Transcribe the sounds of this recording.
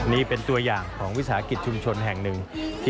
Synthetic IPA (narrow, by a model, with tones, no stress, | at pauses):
niː˦˥˩pe˧nt̪u˧ɐjaː˨˩ŋkʰɔː˩˦ŋwi˦˥t̚saː˩˦a˦˥ki˨˩t̪̚t͡ɕʰu˧mt͡ɕʰo˧nɦɛ˨˩ŋnɯ˨˩ŋt̪ʰː